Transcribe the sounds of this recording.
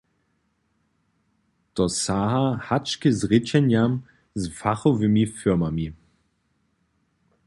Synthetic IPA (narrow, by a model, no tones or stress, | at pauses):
tɔsaɦahat͡ʃkəzʁɪt͡ɕɛnjam | zfaχɔvɪmifɪɐmami